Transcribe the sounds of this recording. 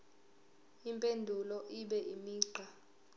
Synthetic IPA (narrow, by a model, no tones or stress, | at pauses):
impʼendʱulɔʔiɓɛʔimiːǃʱa